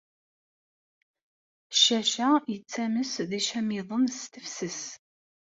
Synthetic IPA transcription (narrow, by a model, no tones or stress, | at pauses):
ʃɐʃɐɪt͡sʰːɐmɨsðiʃɐmiðˤənst̪ʰɨfsɨs